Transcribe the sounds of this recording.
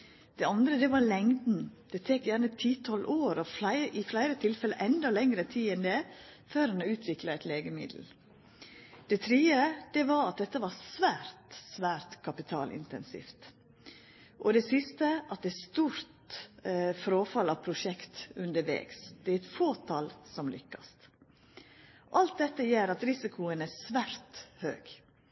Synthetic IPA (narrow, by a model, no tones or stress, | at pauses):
d̪̥ɛɑnd̪ɾəd̪ɛʋɑɾlɛŋd̪n̩d̪̥ɛt̪ʰeːkjæɾnət̪ʰiːt̪ʰɔlʔoːɾɔflæɪʔɪflæɪɾət̪ʰɪlfɛləʔɛnd̪ɑlɛŋɾət̪ʰiːɛnd̪ɛføːɾhɑnɔʉːt̪ʰʋɪkləɛt̪leːɡəmɪ̰d̪l̩ | d̪̥ɛt̪ʰɾiːəd̪̥ɛʋɑɾɑt̪̚d̪ɛt̪ːəʋɑsʋæːɾt̪sʋæːɾt̪kʰɑpɪt̪ʰɑ̰ːlʔɪ̰nt̪ɛnsḭft̪ | ʔɔd̪ɛsɪst̪əʔɑt̪̚d̪ɛːst̪uːɾt̪ | fɾoːfɑlɑʋpʰɾʊʂɛkt̪ʉnd̪əɾʋɛ̰ːɡsd̪̥ɛɾɛt̪foːt̪ʰɑlsɔmlʏ̰kːɑst̪ | ʔɑlt̪̚d̪ɛt̪ːəjeːɾɑt̪ɾɪsɪkʰʊənæsʋæːɾt̪hø̰ːɡ̥